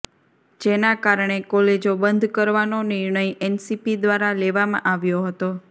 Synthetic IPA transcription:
d͡ʒenakaɾɳ̃ekɔled͡ʒobənd̪ʱkəɾʋanonɪɾɳəjɛnsipid̪ʋaɾaleʋamã̰ʔaʋjoɦət̪o

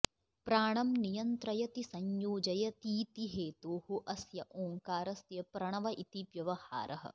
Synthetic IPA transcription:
pɾaːɳɐmnijɐnt̪ɾɐjɐt̪isɐɲjoːd͡ʒɐjɐt̪iːt̪iɦeːt̪oːhuʔɐsjɐʔoːŋkaːɾɐsjɐpɾɐɳ̃ɐʋɐʔit̪iʋjɐʋɐha̰ːɾɐɦɐ̰̆

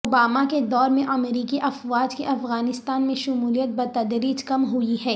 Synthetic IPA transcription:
oːbaːmaked̪ɔːɾmẽʔɐmɾiːkiʔɐfʋaːd͡ʒkeʔɐfɣaːnɪst̪aːnmẽʃʊmuːlijət̪̚bɐt̪ɐd̪ɾiːd͡ʒkɐmɦʊiɦɛː

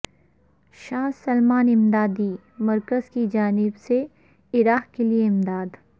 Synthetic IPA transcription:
ʃaːsɐlmaːnɪmd̪aːd̪i | mɐɾkəzkid͡ʒaːnɪbse | ɪɾaːɦkelieɪmd̪aːd̪

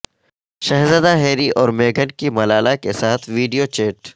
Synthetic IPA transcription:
ʃɐɦzəd̪aɦeːɾiʔɔːɾmeːɡənkimɐlaːlakesaːt̪ʰʋiːɖijot͡ʃeːʈ

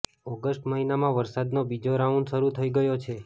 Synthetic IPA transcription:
ɔɡəsʈməɦinamãʋəɾsad̪nobid͡ʒoɾauɳɖʃəɾut̪ʰəiɡəjot͡ʃʰe

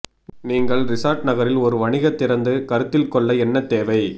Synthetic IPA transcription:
niːŋɡɐɭɾɪsaːɾʈnɐɣɐɾɪlɔɾɯʋɐɳɪɣɐt̪ːɪɾɐnd̪ɯkɐɾɯt̪ːɪlkɔɭːɐɛnːɐt̪ːeːʋɐɪ

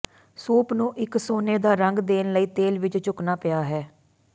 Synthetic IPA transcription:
suːpnũːʔɪksoːneːd̪aːɾəŋɡd̪eːnləiːt̪eːlʋɪt͡ʃt͡ʃʊknaːpɪjaːɦɛː

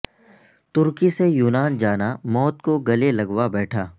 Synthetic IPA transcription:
t̪ʊɾkisejuːnaːnd͡ʒaːnamɔːt̪koɡɐlelɐɡwabɛːʈʰaː

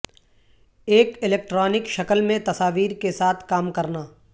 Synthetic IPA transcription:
eːkɪleːk̚ʈɾɔːnɪkʃɐkəlmẽt̪ɐsaːʋiːɾkesaːt̪ʰkaːmkɐɾnaː

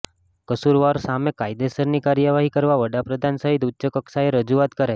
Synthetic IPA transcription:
kəsuɾʋaɾsamẽkajd̪esəɾnikaɾjəʋaɦikəɾʋaʋəɽapɾəd̪ʱansəɦit̪utːt͡ʃəkəksaeɾəd͡ʒuat̪kəɾa

